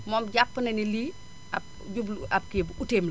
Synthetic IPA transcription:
mɔːmɟapːənɐniliː | a | ɟublap̚kebuteːml

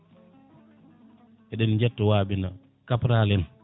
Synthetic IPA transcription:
ʔɛɗɛnd͡ʒɛtːɔwaːɓina | kapɾaːlɛn

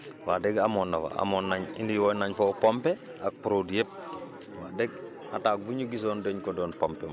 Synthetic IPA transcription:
waːdɛɡamɔːnːafa̰a̰mɔnːaɲḭndiwonaɲfopompe | ak̚puɾodjep̚ | waːdɛɡ̚ | ataːk̚buɲuɡis̬ɔːndɛɲkɔdɔːnpɔmpɛma

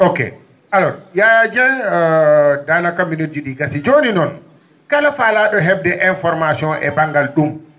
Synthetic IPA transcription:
okḛ | alɔɾjajad͡ʒɛ | danakomunitiɗiɡasid͡ʒoninɔn | kalafalaɗɔɦɛbdɛʔɛnfɔɾmasiɔ̃nʔɛ̰baŋɡalɗum

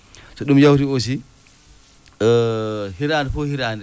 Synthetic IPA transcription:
sɔɗumjawtios̬i | hiɾaːnifɔhiɾaːni

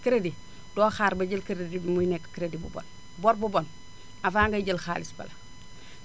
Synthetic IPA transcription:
kəɾedi | d̥oːxaːɾbɐɟəlkəɾedibimujnekːkiɾedibṵbo̰n | bɔɾbubon | afaːŋɡɐɟəlxa̰ːlisbɐ̰lɐ

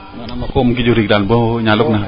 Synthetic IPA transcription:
akomuŋk̬id͡ʒuɾiklanbɔɲalʊk̚na

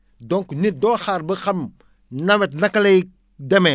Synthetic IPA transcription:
dɔŋknit̚dɔːxaːrbɐxɐm | nɐwɛt̚nɐkːɐlɐj | dɛmɛ

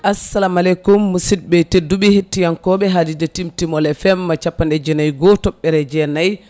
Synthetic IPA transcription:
ʔasːalamalɛkumːusid̚bɛtedːubɛhetːijankɔɓɛɦadidɛtimtimɔlɛfɛmːat͡ʃapːandɛd͡ʒɛnajɡɔtɔɓːɛɾɛd͡ʒɛnaj

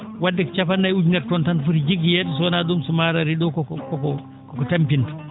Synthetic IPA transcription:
wadːikt͡ʃapanːajud͡ʒnɛɾtɔntanfuɾid͡ʒiɡijɛdus̬ɔnadumsumaɾaɾidɔkɔkkɔkɔ | kɔkɔtampintu̥

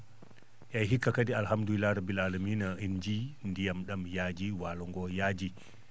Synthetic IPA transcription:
ʔɛɦikːakadialhamduilaɾabilalamiːnaind͡ʒindijamɗamjad͡ʒiwalɔŋɡɔjad͡ʒi

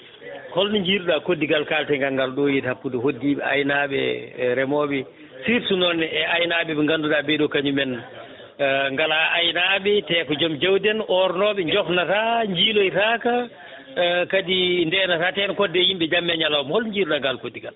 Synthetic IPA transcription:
hɔlniɲd͡ʒiːɾuɗakodːiɡalkaltɛŋɡaŋɡalɗɔjithapːudɛhodːiːɓɛ̰a̰jnaɓɛ̰ɾɛmɔːɓɛ | siɾsunɔnɛɛajnaɓɛɓɛŋɡanduɗabɛɗɔkaɲumɛn | ŋɡalaajnaɓɛtɛːkɔd͡ʒɔmd͡ʒawdɛnʔɔɾnɔɓɛɲd͡ʒɔknataɲd͡ʒiːlojtaka | kadindɛnatatɛnkɔdːɛjimɓɛd͡ʒamːaɲalawmhɔlɲd͡ʒiːɾuɗaŋɡalkodːiɡal

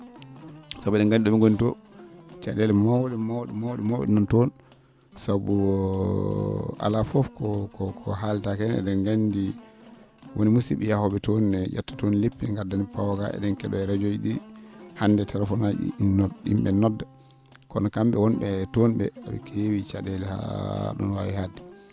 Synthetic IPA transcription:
sabuɛɗɛŋɡandiɗɔmiɡonitɔt͡ʃaɗɛlɛmawɗimawɗimawɗimawɛ̰ɗnɔntɔn | sabu | a̰lafɔfkɔkɔkʰɔɦaltakɛnɛ̰ɗɛnɡandi | wʔonimusḭɓɛjahɔɓɛtonnɛd͡ʒatːḁtonlepːinɛŋɡadanipawaka̰ɛ̰ɗɛnkɛɗɔɛɾad͡ʒojiɗihandɛtʰɛlɛfɔnad͡ʒḭḭmɓɛnɔdːa | kɔ̰nɔkamɓɛwɔnbɛtonɓɛ̰aɓɛ̰kʰewit͡ʃaɗɛlɛha̰ɗɔ̰nwa̰wihadːɛ

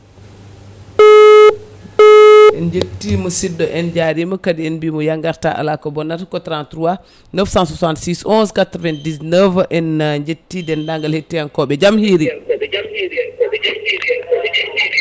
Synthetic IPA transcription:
ʔɛnd͡ʒetːimɔsidːɔʔɛnd͡ʒaɾimɔkadiɛnbimɔjaŋɡaɾta̰ʔa̰lakɔbɔnːatkɔtɾantɾuwa | nəfsãnsusantsisɔ̃nskatɾɔvɛntdisnəvʔɛnɲd͡ʒetːidɛndaŋɡalhetːijankɔɓɛd͡ʒamhiɾi

